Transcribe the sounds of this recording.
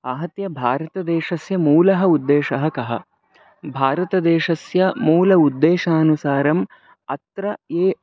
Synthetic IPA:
aːɦɐt̪jɐbʱaːɾɐt̪ɐd̪eːʃɐsjɐmuːlɐɦɐud̪ːeːʃɐɦɐkɐɦɐ̰ | bʱaːɾɐt̪ɐd̪eːʃɐsjɐmuːlɐud̪ːeːʃaːnusaːɾɐm | ɐ̰t̪ɾɐeː

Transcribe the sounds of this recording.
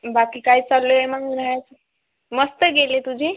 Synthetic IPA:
bakiːkaɦit͡salːoemaŋlajat͡sə | məst̪əɡelet̪ud͡ʑʱiː

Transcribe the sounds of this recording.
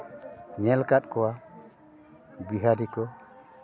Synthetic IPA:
ɲɛlkaɗkɔwa | biɦadikɔ

